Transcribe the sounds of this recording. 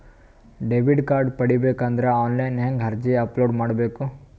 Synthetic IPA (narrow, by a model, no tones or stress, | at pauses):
ɖeʋiɖkaːɾɖpɐɽibeːkaːnd̪ɐɾeaːnlɐjnɦeŋɡɦɐɾd͡ʒiɐploːɖmaːɽbeːku